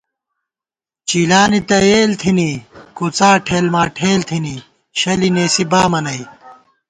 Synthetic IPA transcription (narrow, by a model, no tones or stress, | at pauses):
t͡ɕiːlaːnit̪ɐeːlt̪ʰinikut͡saːʈʰeːlmaːʈʰeːlt̪ʰini | ɕɐlineːsibaːmɐnɐi